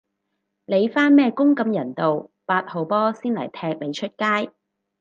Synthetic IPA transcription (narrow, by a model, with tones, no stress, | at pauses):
le˨˧jfaː˥nmɛː˥kʊ˥ŋkɐ˨˧mjɐ˨˩nt̪o˨wpaː˧t̚ho˨˧wpɔː˥siː˥nlɐ̰˨˩jt̪ʰɛː˧k̚le˨˧jt͡ʃʰɵ˥t̚kaː˥j